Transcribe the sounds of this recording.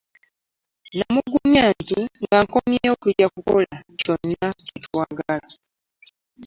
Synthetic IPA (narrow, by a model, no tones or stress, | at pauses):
namuɡumaːntiŋɡaŋkomjejokuɾakukolaco̞nːacitwaːɡala